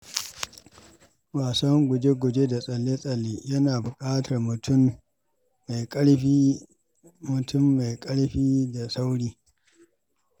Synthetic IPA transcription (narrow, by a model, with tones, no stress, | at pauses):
waː˨sɐ˦ŋɡʷʊ˨d͡ʒe˦ɡʷʊ˨d͡ʒe˦da˨sʼɐ˨lːe˦sʼɐ˨lːiː˦jɐ˦naː˨bʊ˨kʼaː˦tʰɐ˨rmʊ˨tʊ˦mː | a˨jɽ | mʊ˨tʰʊ˦mːa˨jkʼɐ˦ɽɸiː˦da˨sa˦wɽiː˦